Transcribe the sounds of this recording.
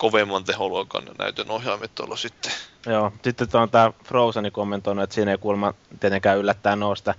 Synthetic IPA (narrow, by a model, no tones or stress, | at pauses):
koʋemːɑnt̪eholoˑkɑ̰nɑnæ̰yt̪ynohjɑːmit̪ːo̰lːɑsit̪ːe̥joːsit̪ːet̪ont̪æːfroˑusɑnikomːent̪oˑinuet̪siːneikulmɑt̪iet̪eŋkæːylːæt̪ːæːnnoˑust̪ɑ